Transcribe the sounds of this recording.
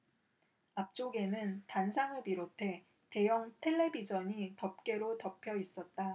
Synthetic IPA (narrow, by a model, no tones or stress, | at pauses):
ap̚t͡ɕ͈oɡe̞nɯntansʰaŋɯɭpiɾotʰe̞ | te̞jʌŋtʰe̞ɭːe̞bid͡ʑʌɲitʌp̚k͈e̞ɾotʌpʰjʌis͈ʌt̚t͈a